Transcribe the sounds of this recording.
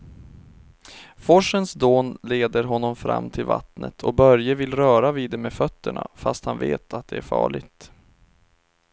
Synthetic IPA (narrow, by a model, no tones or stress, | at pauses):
fɔʂənsd̪oːnleːd̪əɾɦɔnːɔmfɾa̰mːt̪ʰɪlva̰t̪nət̪ʰɔbœɾjəvɪlɾœːɾaviːd̪ɛmeːfœt̪ːəɳa̰fast̪hanveːt̪ʰat̪̚d̪ɛæɾfɑ̰ːɭɪɡt̪